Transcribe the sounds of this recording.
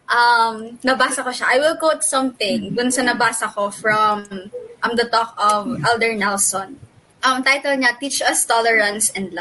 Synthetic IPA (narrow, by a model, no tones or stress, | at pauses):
ʔɐmnɐbaːsɐkoʃaʔajwɪlkowt̪̚sɐ̃mθɪ̃ŋɡʊnsɐnɐbaːsɐkofɹɐmʔɐmd̪ɐt̪ɔkɔvʔɛld̪ɛɹnɛlsɔ̃n | ʔɐmt̪ajt̪ɛlɲɐt̪iːt͡ʃɐst̪ɔlɛɹɐ̃nsɛ̃nd̪lɐ